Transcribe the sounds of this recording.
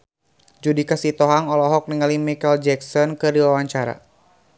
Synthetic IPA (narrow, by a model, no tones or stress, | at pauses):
d͡ʒudikasit̪ɔɦaŋɔlɔɦɔk̚niŋalimikɛld͡ʒɛksɔnkɨrdiwawaɲt͡ʃaɾa̰